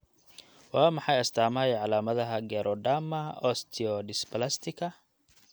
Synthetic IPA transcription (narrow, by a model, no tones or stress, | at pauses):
wɑːmɑħɑjɐst̪ʰaːmɐɛjʕɑlaːmɐðɐɦɐɡɛɾʔɔɖamɐɔst̪ʰɪɔɖɪspʰɐlast̪ʰɪkʰɐ